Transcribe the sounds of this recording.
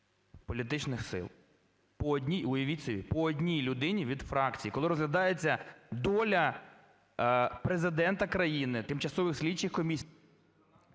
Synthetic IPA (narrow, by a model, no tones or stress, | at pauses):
pɔlʲit̪ɪt͡ʃnɪxsɪ̰lˠ | pɔːdʲnʲijɔjɐʋʲit͡sʲɔʋʲḭpɔɔd̪ʲnʲijlʲʊd̪ɪnʲiʋʲid̪fɾɑkt͡sʲijikɔlˠɪɾɔzɦlʲɐd̪ɑjet͡sʲːɐd̪ɔlʲɐ | pɾezɪd̪ɛnt̪ɐkɾɐjinɪt̪ɪmt͡ʃɐsɔʋɪxsʲlʲit͡ʃːɪxkɔmʲisʲ